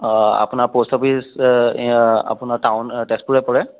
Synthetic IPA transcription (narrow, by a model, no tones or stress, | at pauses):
a̰punaɹpostɔpʰis | a̰punaɹtawntɛstpuɹɛpɔɹɛ